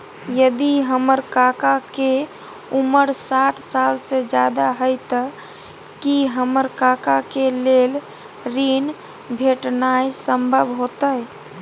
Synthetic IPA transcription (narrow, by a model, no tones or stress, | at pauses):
jəd̪iɦəməɾkakake | uməɾsaʈʰsalsed͡ʒad̪aɦəjt̪ə | kiɦəməɾkakakelel | ɾin | bʱeʈnajsəmbʱəbʱɦot̪əj